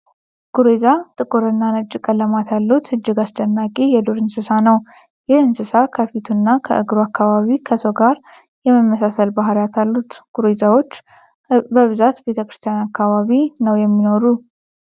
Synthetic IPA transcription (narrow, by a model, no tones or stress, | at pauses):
ɡ̥uɾezat̪ʼɨkʼuɾɨnːanət͡ʃʼːɪkʼələmat̪ʰalːut̪ɨd͡ʒːɨɡasd̪ənːakʼejɛd̪uɾɨnsɨsanəw | jɪhɨnsɨsakʰəfit̪ʰunːakʰə̰ʔɨɡɾuakːaβaβikʰəsoɡaɾ | jɛməmːəsasəlbaɦɾjat̪ʰalːut̪ɡ̥uɾezawo̞t͡ʃː | bəβɨzat̪be̞t̪ʰəkɾɨst̪ʰijanakːaβaβinəwjɛmːino̞ɾu